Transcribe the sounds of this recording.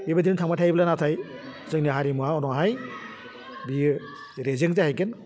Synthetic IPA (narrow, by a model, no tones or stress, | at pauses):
bibadintʰaŋmatʰajblanatʰaj | zɯŋniɦaɾimuaɔnɔɦaj | bi | ɾezɯŋzahajkɯn